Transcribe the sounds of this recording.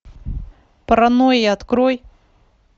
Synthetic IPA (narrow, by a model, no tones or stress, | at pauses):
pɾanojiat̪kɾoj